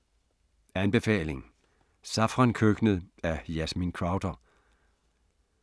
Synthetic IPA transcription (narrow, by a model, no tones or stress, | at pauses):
ænb̥e̝fɛ̰ːle̝ŋ | sɑ̈fʁɑnkʰøɡ̥nəð̩ˠæjæsminkʰʁɑ̈ʊd̥ɐ